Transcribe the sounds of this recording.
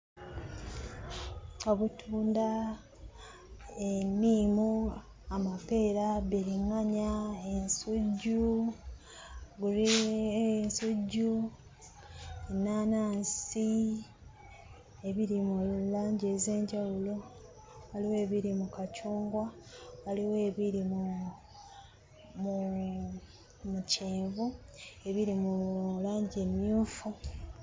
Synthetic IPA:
o̞βutʰuːnda | enimu | amape̞ːɾabeɾiŋaɲaensuɟːu | ɡuɾiensuɟːu | enaːnaːnsi | e̞βiɾimulaːɲɟeːze̞ːɲɟawulo̞ | waliwe̞ːβiɾimukacuːŋɡwawaliwe̞ːβiɾimu | mu | muceːvue̞βiɾimulaːɲɟeːmjuːfu

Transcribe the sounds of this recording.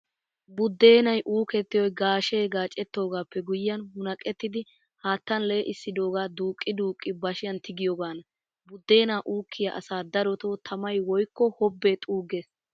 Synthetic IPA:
bʊd̪ːe̞ːnɐjʔuːkɛt̪ːɪjwɔjɡaːʃeːɡaːt͡ʃʼɛt̪ːo̞ːɡaːpːɛɡʊjːɐnhʊnɐkʼːɛt̪ːɪd̪ɪ | haːt̪ːɐnle̞ːʔɪsːɪd̪o̞ːɡaːd̪uːkʼːɪd̪uːkʼːɪbɐʃɪjɐnt̪ɪɡɪjoɡaːnɐ | bʊd̪ːe̞ːnaːʔuːkʰːɪjɐʔɐ̰saːd̪ɐɾɔt̪oːt̪ʰɐmɐjwɔjkːɔhɔbːeːt̪ʼuːɡeːs

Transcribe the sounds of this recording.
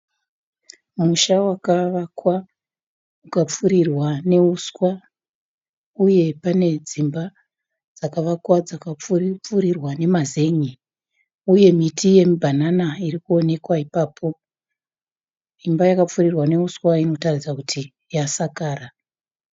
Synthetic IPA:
muʃawakaʋakwa | ukap͡furirwane̞uskwa | uje̞pane̞d͡zimba | d͡zakaʋakwad͡zakap͡fp͡furirwane̞maze̞ɲi | uje̞mitʰije̞mubʱananairikuo̞ne̞kwaipaːpʰo̞ | imbajakap͡furirwane̞uskwaino̞tarid͡zakutʰi | jasakaːra

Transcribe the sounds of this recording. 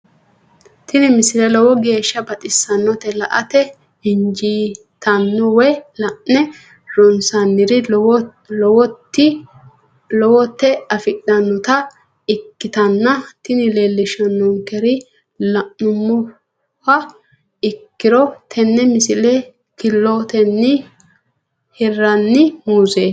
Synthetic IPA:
t̪ɪnɪmɪsɪlɛlɔwɔɡe̞ːʃːɐbɐt̪ʼɪsːɐnːɔt̪ɛlɐʔɐ̰t̪ɛ | hɪnd͡ʒiː | t̪ɐnːʊwɛlɐʔɛ | ɾɔnsɐnːɪɾɪ | lɔwɔt̪ːɪ | lɔwɔt̪ːɛɐfɪɗɐnːʊt̪ɐ | ɪkːɪt̪ɐnːɐt̪ɪnɪleːlːɪʃɐnːɔŋkɛɾɪ | lɐʔːʊmːʊ | hɐ | ɪkːɪɾɔt̪ʰɛnːɛmɪsɪlɛ | kɪlːot̪ɛnːɪ | hɛrɐnːɪmuːzeː

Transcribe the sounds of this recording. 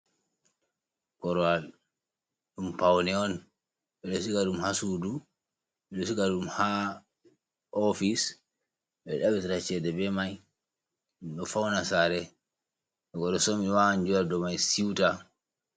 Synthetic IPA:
kɔɾɔal | ɗumpawnɛɔn | ɓɛɗɔsikaɗumhasudu | ɓɛɗɔsikaɗumha | ɔfis | ɓɛɗabitiɾat͡ʃɛdɛbɛmaj | ɗumɗɔfawnasaɾɛ | ɓɛkɔɾɔsɔmiwaaɲd͡ʒuɾadɔmajsiwta

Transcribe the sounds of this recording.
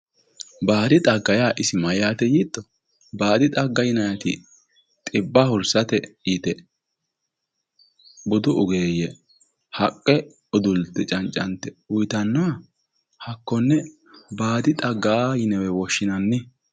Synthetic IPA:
baːd̪ɪt̪ʼɐɡːɐjaːʔɪsɪmɐjaːt̪ɛjiːt̪ːɔ | baːd̪ɪt̪ʼɐɡːɐjɪnɐjɐt̪ɪ̰ | t̪ʼɪbːɐhʊɾsɐt̪ɛjɪt̪ɛ | bʊd̪ʊʊɡeːjɛ | hɐkʼːɛ | ʊd̪ʊlt̪ːɛt͡ʃʼɐnt͡ʃʼːɐnt̪ːɛʊjt̪ɐnːɐwɐ | hɐkːɔnːɛ | baːd̪ɪt̪ʼɐɡːaːjɪnɛwɛwɔʃːɪnɐnːɪ

